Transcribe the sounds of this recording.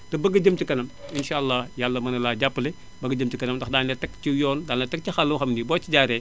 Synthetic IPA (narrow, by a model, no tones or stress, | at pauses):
tɐbɐɡɐɟɐmtikɐnɐminʃaːɐlːajalːɐmɐnɐlaːɟapːle | bɐɡɐɟɐmtikɐnɐmdɐxdaːnlɛtɐktijɔːndaːnːɐtɐk̚tixɐlːuwxɐmdibɔːt͡ʃiɟaːɾɛ